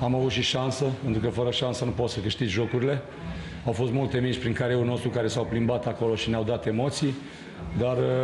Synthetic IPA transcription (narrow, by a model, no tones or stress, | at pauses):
amavut̪ʃiʃansəpent̪ɾukəfəɾəʃansənupo̞t̪səkɨʃt̪id̪ʲʒo̞kuɾile̞ | awfo̞st̪mult̪e̞mit͡ʃʲpɾiŋkaɾeulno̞st̪ɾukaɾe̞sawplimbat̪ako̞lo̞ʃineawd̪at̪e̞mo̞t̪sij | d̪ar